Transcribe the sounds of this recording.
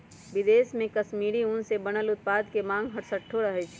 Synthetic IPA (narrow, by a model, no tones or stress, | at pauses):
ʋɪd̪eːsmẽkɐsmiːɾiunsebənəlʊt̪̚paːd̪kemãːŋɡɦəʈsəʈʰːoɾəɦɛt͡ʃʰ